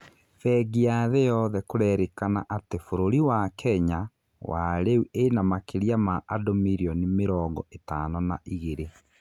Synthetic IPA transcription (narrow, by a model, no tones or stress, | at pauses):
fɛɡiaðɛjɔːðɛkoɾɛːɾekana̰ʔatefoɾoɾiwakʰɛɲa | waɾeuʔenamakeɾiamaʔadomiɾiɔnimeɾɔːŋɡɔetaːnɔnaʔiɣeɾe